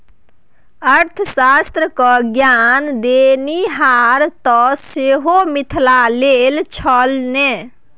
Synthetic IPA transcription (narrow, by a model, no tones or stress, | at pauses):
əɾt̪ʰəsast̪ɾəkɔɡjand̪eniɦaɾt̪ɔseɦomit̪ʰlalelt͡ʃʰəlne